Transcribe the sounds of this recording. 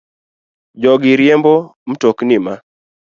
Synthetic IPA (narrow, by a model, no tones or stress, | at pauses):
d͡ʒɔɡɪɾjembom̩toknɪma